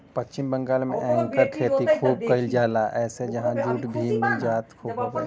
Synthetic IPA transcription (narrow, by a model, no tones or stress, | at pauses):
pət͡ʃːt͡ʃɪmbə̃ŋɡaːlmḛ̃ʔɛ̃ŋkəɾkʰeːt̪ikʰuːb̚kəɪld͡ʒaːlaʔɛːsed͡ʒɐɦãd͡ʒuːʈbʱiːndid͡ʒaːt̪kʰuːbɦoːɡe